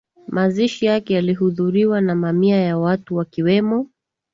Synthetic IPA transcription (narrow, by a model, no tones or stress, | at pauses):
maziʃijakɛjaliɦuðuɾiwanamamiajawatuwakiwɛmɔ